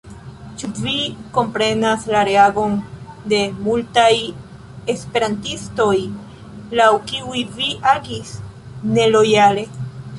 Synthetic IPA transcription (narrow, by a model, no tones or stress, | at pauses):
t͡ʃuviko̞mpɾe̞naslaɾe̞aɡo̞nde̞multaj | e̞spe̞ɾantisto̞j | lawkiujviʔaɡis | ne̞lo̞jale̞